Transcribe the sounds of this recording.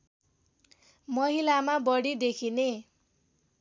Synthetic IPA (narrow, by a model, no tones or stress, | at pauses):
mʌɦilamabʌɽid̪ekʰine